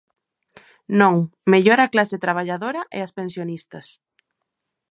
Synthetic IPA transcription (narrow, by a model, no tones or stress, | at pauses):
nõŋmeʎoɾaklaset̪ɾaβ̞aʎaðoɾɐʔḛɐspẽnsjonist̪ɐs